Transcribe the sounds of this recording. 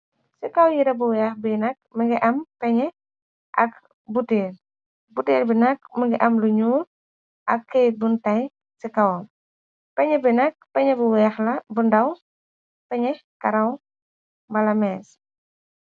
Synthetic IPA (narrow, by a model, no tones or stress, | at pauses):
sikɐwjiɾɐbuwɛxbinɐk̚məŋɡiʔɐmpɛɲɛ | ʔɐ̰k | buteːl | buteːlbinɐk̚məŋɡiʔɐmluɲuːɾ | ʔɐkːɛj̚buntɐj | sikɐwɐm | pɛɲɛbinɐk̚pɛɲɛbuwɛxlɐbundɐw | pɛɲɛkɐɾɐw | bɐlɐmɛːs